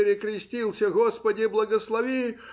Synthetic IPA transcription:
ɪɾʲɪkɾʲɪsʲtʲilˠsʲəɣospədʲɪblˠəɡəslˠɐvʲi

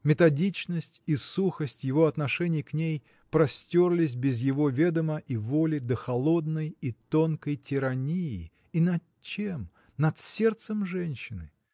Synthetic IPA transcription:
mʲɪt̪ɐdʲit͡ɕnəsʲtʲisuxəsʲtʲjɪvo̞ɐt̪nɐʂɛnʲɪjknʲej | pɾɐsʲtʲorlʲɪs̬ʲbʲɪzjɪvo̞vʲed̪əməʔivolʲɪd̪əxɐlˠo̞d̪nəjit̪o̞nkəjtʲɪɾɐnʲijɪ̰ | inɐ | t͡ɕem | nɐt̪sʲe̞rt̪səmʐɛnʲɕːɪnɨ

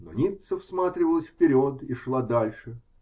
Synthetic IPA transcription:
no̰nʲit̪səfsmat̪ɾʲɪvəlˠəsʲfpʲɪɾʲot̪iʂlˠad̪alʲʂɨ

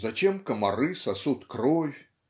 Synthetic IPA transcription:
zat͡ɕʲɛmkɐmaɾɨsasut̪kɾɔwʲ

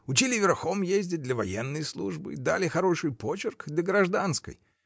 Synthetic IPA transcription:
ʊt͡ɕilʲɪvʲɪrxomjezʲdʲɪt̚ʲd̪lʲəvɐjenːəjslˠṵʐbɨ̰d̪a̰lʲɪxɐɾo̞ʂɨjpo̞t͡ɕɪrkd̪lʲəɡɾɐʐd̪anskə̰j

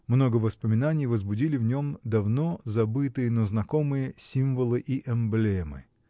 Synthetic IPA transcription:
mno̞ɡəvəspəmʲɪnanʲɪjvəzbʊdʲilʲɪvnʲo̞md̪ɐvno̞zɐbɨt̪ɨjənoznɐko̞mɨjəsʲimvəlˠɨʔiʔɛmblʲemɨ̰

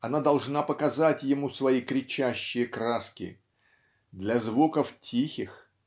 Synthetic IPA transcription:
ɐnad̪ɐlˠʐnapəkɐzatʲjɪmusvɐikɾʲɪt͡ɕæɕːɪjəkraskʲɪ̰ | d̪lʲɐzvukəftʲʰixʲɪx

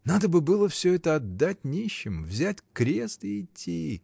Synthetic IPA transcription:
nad̪əbɨbɨlˠəfsʲɵɛt̪əɐd̪ːatʲnʲiɕːɪmvzʲætʲkɾʲe̞st̪ɪɪtʲʰːi

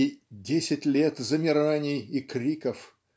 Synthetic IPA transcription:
dʲesʲɪtʲlʲet̪zəmʲɪɾɐvanʲɪjɪkɾʲikəf

